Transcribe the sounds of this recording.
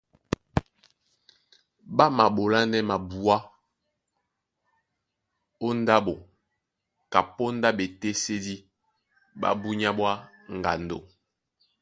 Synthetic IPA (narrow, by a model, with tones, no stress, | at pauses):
ba˦ma˨bo˨la˦nɛ˦ma˨bu˨a˦ | o˦n˦da˦bo˨ | ka˨po˦nda˦be˨te˦se˦di˦ | ba̰˦bu˦ɲa˦bwa˦ŋ˨ɡa̰˨ndo̰˨